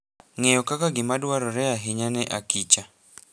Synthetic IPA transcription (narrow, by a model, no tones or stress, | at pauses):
ŋɛjɔkʼakaɡimadwaɾɔɾɛjaɦiɲanɛʔakʼiːt͡ʃʼa